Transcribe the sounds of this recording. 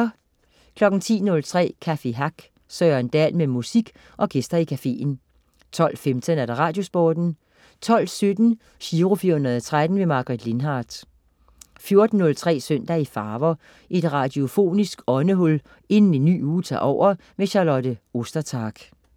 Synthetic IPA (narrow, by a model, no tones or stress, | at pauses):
kʰlɒ̽ɡ̥n̩t͡sʰḭːnɔ̽lt͡sʰʁɛ̰ːkʰæfe̝ɦɑ̈ɡ̥ | sœːɐnd̥ɛlmemusiɡ̥ | ʔɒ̽ɡ̥esd̥ɐikʰæfe̝̰ːn̩ | t͡sʰɒ̽l̰femt͡sʰənæɐɾ̥ɑ̈ʁɑ̈ːd̥jo̝sb̥ɒːd̥n̩ | t͡sʰɒ̽l̰sød̥n̩ | ɕiːʁofiɐhunɐðˠɒt͡sʰʁad̥n̩ʋe̝mɑ̈ɡ̥ɐʁid̥le̝nɦɑːd̥ | fjo̝ɐd̥n̩ːɔ̽lt͡sʰʁɛ̰ːsøn̰d̥æifɑ̈ːʋɐ | ʔe̝d̥ʁɑ̈d̥jo̝fo̝̰ːnisɡ̥ɒ̽nəɦɔl | e̝nn̩enːy̰ːuːt͡sʰɑ̰ːʔɒʊ̰ɐ | meɕɑ̈lɒ̽d̥əo̝sd̥ɐt͡sʰɑ̈ːɡ̥